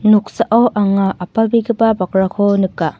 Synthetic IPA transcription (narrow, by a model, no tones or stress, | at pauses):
nuk̚saʔawʔaŋaʔapabiɡibabakɾakʰɔnɯkːa